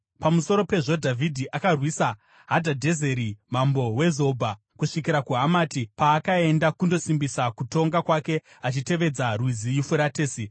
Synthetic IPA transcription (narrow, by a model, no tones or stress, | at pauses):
pamuso̞ɾo̞pe̞ʐo̞dʱavʱidʱiʔakarwisa | ɦadʱadʱeze̞ɾimambo̞we̞zo̞bʱa | kuʂikiɾakuɦamaːtipaːkae̞ndakundo̞simbisakuto̞ŋɡakwake̞ | at͡ʃite̞ʋe̞d͡zarwizijifuɾateːsi